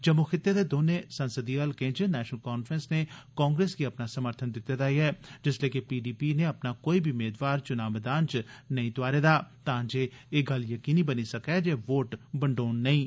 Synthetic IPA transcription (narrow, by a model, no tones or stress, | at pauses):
d͡ʒəmːukʰɪt̪ːed̪eːd̪oːneːsənsəd̪iːɡəlkẽːd͡ʒenɛːʃnəlkaːnfʰɾənsneːkɔ̃ːŋɡɾeːsɡiəpnaːsəməɾt̪ʰənd̪ɪt̪ːed̪aːiɛːd͡ʒɪsleːkepiːɖiːpiːneːəpnaːkoːiːbʱiʊmeːd̪ʋaːɾt͡ʃʊnaːʋd̪aːnt͡ʃnəĩːt̪ʊaːɾeːd̪aːt̪ãːd͡ʒeːeːɡəljəkiːniːbəniːsəkɛːd͡ʒeːʋoːʈbəɳɖoːnːəĩː